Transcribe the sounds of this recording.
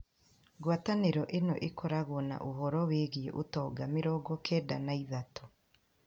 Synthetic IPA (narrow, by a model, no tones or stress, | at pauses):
ɡwataneɾɔʔenɔ̰ʔekɔɾaɣoɔna̰ʔoɦɔɾɔweːɣieʔotɔːɡameɾɔːɡɔkʰɛːdanaiðatɔ